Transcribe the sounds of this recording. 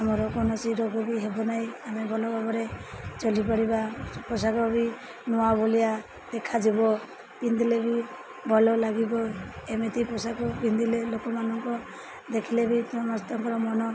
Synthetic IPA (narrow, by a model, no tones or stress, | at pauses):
amɔɾɔkɔnɔt͡ʃiɾɔɡɔbiɦebɔnajamebʱɔlɔkɔbɔɾet͡ʃɔlipaɽibapɔsakɔbi | nuabolija | d̪̥ekʰad͡ʒibɔ | p̪ind̪ilebi | bʱɔlɔlaɡibɔemet̪ipɔsakɔbind̪ilelokɔmanɔŋkɔ | d̪ekʰilebit̪ɔmɔst̪ɔŋkɔɾɔmɔnɔ